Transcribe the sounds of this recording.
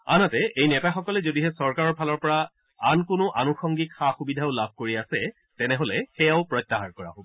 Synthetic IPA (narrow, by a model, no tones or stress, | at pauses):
a̰natɛejnɛtaxɔkɔlɛzodiɦɛsɔɹkaɹɔɹpʰalɔɹpɔɹa | ankʊnʊʔanuxɔŋɡikxaxubidʱaʊlab̚ʱkoɹiasɛ | tɛnɛɦolɛxɛjaʊpɹɔjtːaɦaɹkɔɹa̰ɦobɔ